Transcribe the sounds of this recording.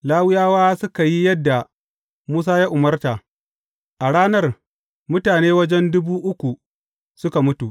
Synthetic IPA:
laː˦wɪ˦jaː˦waː˦sʊ˦ka˨ji˦jɐ˦dːa˨ | muː˦s̬aː˦jaː˦ʔʊ˨mɐ˦rta˨ʔ | ʔa˨ɽaː˦nɐ˦r | mʊ˦taː˨neː˦wɐ˦d͡ʒɛ˦ndʊ˦buː˦ʔʊ˦kʷu˨ | sʊ˦ka˨mʊ˦tu˨ʔ

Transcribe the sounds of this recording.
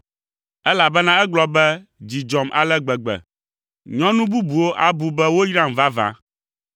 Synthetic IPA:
ɛ˦la˨bɛ˦nã˦ɛ˦ɡ͡blɔ˦bɛ˦d͡ʑi˨d͡ʒɔ˨mʔa̰˨lɛ˦ɡ͡bɛ˨ɡ͡bɛ̰˨ | ɲɔ̃˦nũ˦bu˦bu˨wo˦ʔa˨bu˨bɛ˦wo˦ji˦ɾa˦mva˦vã̰˦

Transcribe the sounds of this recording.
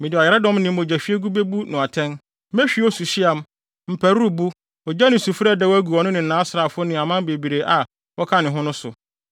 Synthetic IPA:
mɪ̃˨dɪ˨a˨jɛ˨ɾa˦dɔ̃˦mnɪ̃˨˦õ˨d͡ʑæ˨fi˦e˦ɡu˦be˦bu˦nʊ̃˨a˨tʰɛ̃˦n | mɛ̃˦ɕᶣi˦ɔ˦su˨ɕi˦a˨m˦ | m̩˨pʰæ˨ɾu˦u˦˨bu˦ | ɔ˨d͡ʑa˦nɪ̃˨su˨fɾɛ˦dɛ˦wæ˦ɡu˨ɔ˨nʊ̃˦nɪ̃˨n̩˨nãː˨˦sɾa˨fʊ˦ʊ˦nɪ̃˨a˨mã˦be˨bi˨ɾe˨ʔa˨ | wɔ˦kʰa˦nɪ̃˨ɦʊ̃˦nʊ̃˦sʊ˨

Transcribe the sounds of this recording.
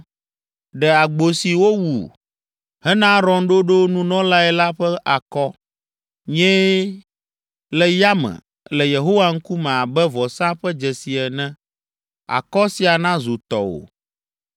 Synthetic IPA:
ɖɛ˨a˨ɡ͡bo˨si˨wo˦wṵ˨ | ɦɛ˦nã˦ɾɔ̃˨nɖo˦ɖo˦nũ˦nɔ̃˦la˦ɛ˨la˦ɸɛ˦ʔa˨kɔ˦ | ɲɛ̃˦ | lɛ˨ja˦mɛ̰̃˨ | lɛ˨je˨ɦo˦wa˦ŋ̩˦ku˦mɛ̃˨a˨bɛ˦vɔ˨sã˦ɸɛ˦d͡ʒɛ˨si˨ɛ˨nɛ̃˦ | a̰˨kɔ˦si˨a˨nã˦zu˨t̪ɔ̰˨wo̰˨

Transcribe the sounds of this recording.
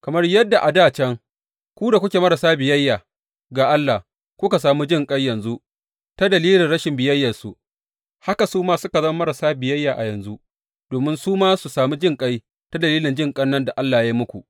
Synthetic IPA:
kɐ˨mɐ˦rjɐ˦dːa˨ʔa˨daː˦˨t͡ʃɛ˦ŋ | kʷuː˦da˨kʷʊ˦kʲeː˨mɐ˦ɾa˨saː˦bɪ˨jɐ˦jːaː˨ | ɡaː˨ʔa˦lːa˨h | kʷʊ˦ka˨s̬aː˨mu˦d͡ʒɪ˦˨ŋkʼa˦jːɐ˨nzu˦ʔ | ta˦dɐ˨liː˦lɪ˨nɽɐ˦ʃɪ˨mbɪ˨jɐ˦jːɐ˨su˨ | ha˦ka˨suː˦maː˦sʊ˦ka˨zɐ˦ma˦mɐ˦ɾa˨saː˦bɪ˨jɐ˦jːaː˨ʔa̰˨jɐ˨nzu˦ | doː˨mɪ˦nsuː˦maː˦su˨saː˨mi˦d͡ʒɪ˦˨ŋkʼa˦j | ta˦dɐ˨liː˦lɪ˨nd͡ʒɪ˦ŋkʼɐ˦nːɐ˦nda˨ʔa˦lːaː˨ja˦mʊ˦kʷu˨ʔ

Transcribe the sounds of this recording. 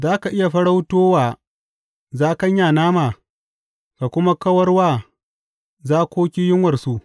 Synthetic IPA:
zaː˦ka˨ʔɪ˦ja˨ɸɐ˦ɽa˦wtoː˦waː˨ | zaː˦kɐ˦ɲjaː˨naː˦maː˨ | ka˨kʷʊ˦ma˦kɐ˦wɐ˦rwaː˦˨ | zaː˦kʷoː˦kʲi˦jɪ˦ŋwɐ˨rsu˦ʔ

